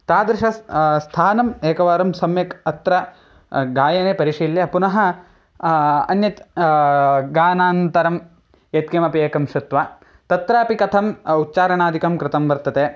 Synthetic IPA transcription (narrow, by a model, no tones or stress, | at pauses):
t̪aːd̪ɾɪʃɐst̪ʰaːnɐmeːkɐʋaːɾɐmsɐmjɐkɐt̪ɾɐ | ɡaːjɐneːpɐɾiʃiːljɐpunɐɦɐ | ɐ̰njɐt̪ | ɡaːnaːnt̪ɐɾɐm | jet̪̚kemɐpieːkɐmʃɐt̪ʋaː | t̪ɐt̪ɾaːpikɐt̪ʰɐmutːt͡ʃaːɾɐɳaːd̪ʱikɐmkɾɪt̪ɐmʋɐɾt̪ɐt̪eː